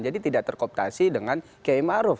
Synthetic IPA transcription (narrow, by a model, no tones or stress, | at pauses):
d͡ʒadit̪idaʔt̪ərkɔp̚t̪asidəŋan | keimaɾʊf